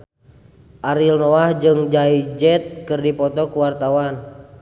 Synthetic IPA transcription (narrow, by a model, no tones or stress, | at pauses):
ʔaɾilnɔahd͡ʒɨŋd͡ʒaid͡ʒɛt̪̚kɨrdipɔt̪ɔkuwart̪awan